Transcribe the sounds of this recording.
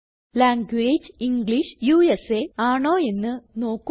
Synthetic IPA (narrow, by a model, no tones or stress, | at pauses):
laːŋɡweːd͡ʑiŋɡliʂjuːeseaːɳoːe̞nːɨno̞ːkːu